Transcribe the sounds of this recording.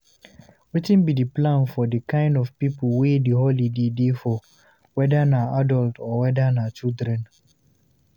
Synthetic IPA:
witɪ̃nbidəplãnfɔdəkãɪ̃ndɔvpipuwediɦolidedefɔ | wɛdanaadɔltʰɔwɛdanat͡ʃildɾɛ̃n

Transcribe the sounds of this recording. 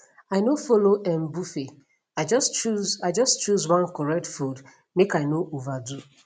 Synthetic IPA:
aɪnofoloʔɛ̃mbufe | ad͡ʒɔst͡ʃuaɪd͡ʒʌstt͡ʃuzwãnkɔɹɛk̚tfud | mekaɪnoʔovadu

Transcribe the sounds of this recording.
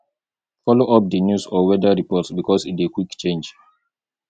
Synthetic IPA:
fɔloʔap̚dənjusɔwɛdaɹipɔtsbikɔsitekwikt͡ʃẽnd͡ʒ

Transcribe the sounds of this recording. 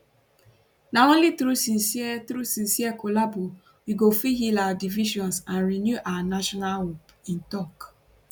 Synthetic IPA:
naõnlitɾusinsietɾusĩn̩siɛkolabo | wiɡofiɦilawadiviʃɔ̃nsanɾinjuʔawanaʃɔnalɦop | ĩn̩tɔk

